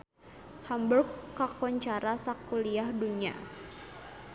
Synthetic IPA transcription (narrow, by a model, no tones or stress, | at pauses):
hamburkːakɔɲt͡ʃaɾasakuliahduɲa̰